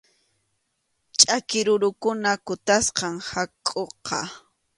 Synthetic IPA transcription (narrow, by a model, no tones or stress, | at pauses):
t͡ʃʼakɪɾʊɾʊkʊnakʊt̪asqɑŋhakʼoqʰɑ̰